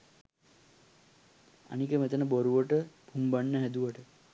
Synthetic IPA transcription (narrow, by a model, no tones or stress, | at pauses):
a̰nikəmet̪ənəboɾuʋəʈəb̥ʱumbaɳːəɦɛd̪uʋəʈə